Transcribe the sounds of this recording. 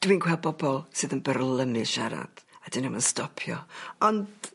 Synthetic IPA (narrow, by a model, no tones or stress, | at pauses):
d̥wiːnkʰwɛlˠbɔbɔlˠsɨðənbərlˠəmɨʃaɾa̰d̥ad̥ɨnəmənstɔpʰjɔɔnd